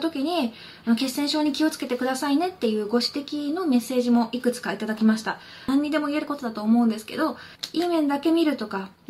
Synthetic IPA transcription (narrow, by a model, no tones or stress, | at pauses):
t̪o̞kʲiɲ̟i | ano̞ke̞sːẽ̞ɰ̃ɕo̞ːɲ̟ikʲio̞t͡sɨ̥ke̞t̪e̞kɯ̟d̪asaine̞t̪ːe̞jɯ̟ːɡo̞ɕi̥t̪e̞kʲino̞me̞sːe̞ːʑimo̞ʔikɯ̟t͡sɨ̥kait̪ad̪akʲimaɕi̥t̪ã | ɲ̟ːid̪e̞mo̞ie̞ɾɯ̟ko̞t̪o̞d̪at̪oːmo̞ɯ̃nd̪e̞sɨ̥ke̞̰d̪o̞iːmẽ̞nd̪ake̞mʲiɾɯ̟t̪o̞ka